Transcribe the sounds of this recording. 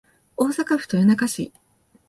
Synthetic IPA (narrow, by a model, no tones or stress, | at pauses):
o̞ːsakaɸɯ̟̥t̪ojonakaɕḭ